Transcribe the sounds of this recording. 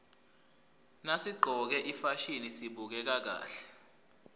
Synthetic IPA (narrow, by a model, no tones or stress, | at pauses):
nasiɡ͡ǃʱɔk̬ɛʔifaʃinisiɓuk̬ɛk̬ak̬a̰ːɬɛ̥